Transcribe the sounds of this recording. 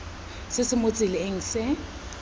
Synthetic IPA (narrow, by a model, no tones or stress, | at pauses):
sɪsɪmot͡sʼɪlɪeŋ̩sɪ